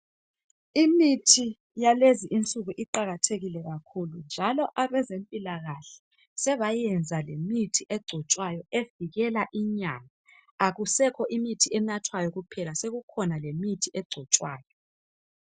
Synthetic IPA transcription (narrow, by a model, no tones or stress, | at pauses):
imitʰi | jaleziʔint͡sʼuɣuʔiǃaɣatʰeɣilɛɣakʰulund͡ʒʱalɔʔaβɛzempʼilaɣaɬɛ̥ | sɛβajɛnd͡zʱalemitʰiʔɛɡ͡ǀʱɔt͡ʃʼwajɔeviɣɛlaʔiɲama | aɣusɛkʰɔʔimitʰiem̩natʰwajɔɣupʰɛlaseɣukʰɔnalemitʰiʔɛɡ͡ǀʱɔt͡ʃʼwaːjɔ